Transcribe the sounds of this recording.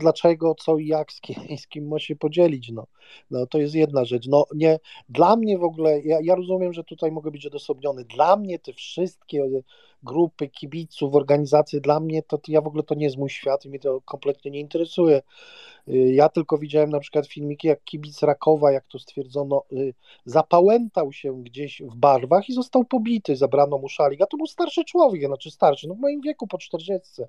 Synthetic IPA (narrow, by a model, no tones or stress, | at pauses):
d̪lat͡ʂɛɡɔt̪sɔijakskʲʰiskʲimːaɕɛpɔd͡ʑɛlʲit͡ɕnɔ | nɔt̪ɔjɛst̪̬jɛd̪naʐɛt͡ʂnɔɲɛd̪lamɲɛvɔɡulɛjajaɾɔzumʲjɛmʐɛt̪ut̪ajmɔɡɛbɘt͡ɕɔd̪ɔsɔbɲɔnɛd̪lamɲɛt̪ɛfʂɘst̪̚kʲɛ | ɡɾupɘkʲibʲit̪sufɔɾɡaɲizat̪sʲjɛd̪lamɲɛt̪ɔt̪javɔɡulɛt̪ɔɲɛjɛst̪mujɕfʲjat̪imjɛt̪ɔkɔmplɛt̪ɲɛɲɛint̪ɛɾɛsujɛ | jat̪ɘlkɔvʲid͡ʑawɛmnapʂɘkwat̪fʲilmʲikʲijakːʲibʲit̪sɾakʰɔvajakt̪ɔst̪fʲjɛɾd̪zɔnɔ | zapawɛnt̪awɕɛɡd͡ʑeɕvbaɾvaxizɔst̪awpɔbʲit̪ɘzabɾanɔmuʂalʲiɡat̪ɔbɘwst̪aɾʂɘt͡ʂwɔvʲjɛknat͡ʂɛst̪aɾʂɘnɔvmɔjimvʲjɛkupɔt͡ʂt̪ɛɾd͡ʑɛst̪sɛ